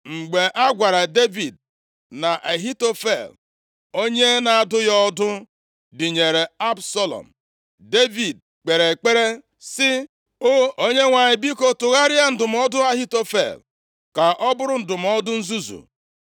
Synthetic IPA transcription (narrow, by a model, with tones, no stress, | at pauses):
ŋ͡m̩˨ɡ͡be˨ʔa˦ɡʷa˨ɾa˨de˦vi˨d̚ | na˨ʔa˨ɦi˦to˦fḛ˨l | o˦ɲe˦na˨a˨dʊ˦jɔ˦dʊ˦ | dɪ˨ɲe˨ɾe˨a˦bsɔ˦lɔ̰˨m̩˨ | de˦vi˨d̚ | k͡pe˨ɾe˨k͡pe˦ɾe˦ | sɪ˦ | o˦o˦ɲe˦ŋʷa˨ɲɪ˨bi˦ko˨tʊ˨ɣa˦ɾɪ˦a˦n̩˦dʊ˨m̩˦ɔ˦dʊ˦a˦ɦi˦to˦fḛ˨l | ka˨ʔɔ˦bʊ˦ɾʊ˨n̩˦˨dʊ˨m̩˦ɔ˦dʊ˦n̩˦zu˦zṵ˨